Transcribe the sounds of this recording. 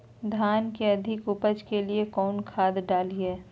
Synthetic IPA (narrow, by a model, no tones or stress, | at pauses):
d̪ʱaːnkeɐd̪ʱɪkʊpəd͡ʒkeliekɔːnkʰaːd̪ɖaːliɦɛː